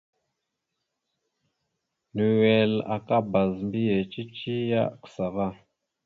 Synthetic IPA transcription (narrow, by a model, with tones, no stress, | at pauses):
nu˨wɛ˨la̰˨ka˦ba˨zmbi˦je˨t͡ʃi˦t͡ʃi˦ja̰˦ku̥˨sa˨va˦˨